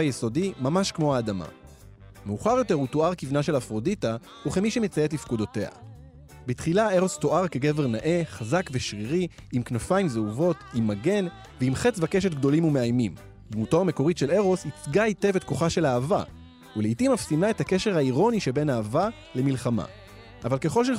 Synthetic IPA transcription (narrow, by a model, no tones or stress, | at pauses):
ajeso̞dimamaʃkmo̞haːdama̰ | me̞uχaʁjo̞te̞ʁutoaʁkivnaʃe̞lafʁo̞dita | uχemiʃemet͡sajetlifkudo̞te̞ha̰ | bitχilae̞ʁo̞sto̞ʔaʁke̞ɡe̞veʁnaʔe̞χazakveʃʁiʁi | imknafaimzeuvo̞timːaɡe̞n | veimχet͡svake̞ʃ̬e̞tɡ̚d̪o̞limume̞ajmim | d̪mutoame̞ko̞ʁitʃe̞le̞ʁo̞sit͡sɡajte̞vetko̞χaʃe̞laːva̰ | uleitimafsimlae̞thake̞ʃeʁhaiʁo̞niʃe̞be̞naːva | le̞milχama̰ | ʔavalke̞χo̞lʃe